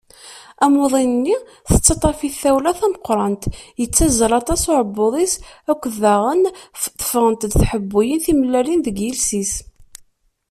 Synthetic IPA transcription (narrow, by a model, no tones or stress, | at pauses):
æmoðˤinənːi | θət͡sːɑt̪ˤɑfiθæwlæθæməqːɾˤɑnt̪jət͡sːæzəɾˤɑt̪ˤɑsʊɾəbːʊðˤisækʷːðæʁənfə̥t̪ˤːə̥fəʁənt̪d̪θħəbːujənθiməlːælinðəɡjəlsis